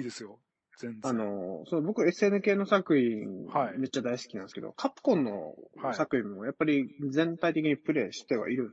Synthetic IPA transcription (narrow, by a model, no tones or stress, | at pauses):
iːd̪esɨjo | zẽano̞sonobo̞kɯe̞sɨe̞ːnɯ̟ke̞ːno̞sakɯ̟çĩŋaime̞t͡ɕːad̪aisɨ̥kʲinã̰nsked̪o̰kʰapɯ̥kõ̞nːo̞̰asakɯ̟ĩmmo̞japːaɾʲid͡zẽ̞nt̪ait̪e̞kʲiɲ̟ipɯ̟ɾe̞ːɕi̥t̪e̞βa̰ʔiɾɯ̟̃n